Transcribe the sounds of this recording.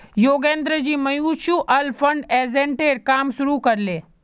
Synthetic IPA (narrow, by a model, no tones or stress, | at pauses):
joːɡẽːnd̪ɾəd͡ʑiːmɐjuːʃuːʔɐlfʰɐɳɖeːzẽːɳʈeːɾkaːmʃʊɾukɐɾleː